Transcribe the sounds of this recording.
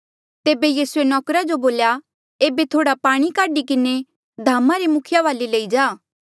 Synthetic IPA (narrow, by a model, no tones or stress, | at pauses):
t̪eːbejiːsuenɔːkɾad͡ʒoboːlja | eːbet̪ʰoːɽapaːɽ̃ikaːɖikɪne | d̪ʱaːmaɾemʊkʰɪjaʋaːleleːid͡ʒaː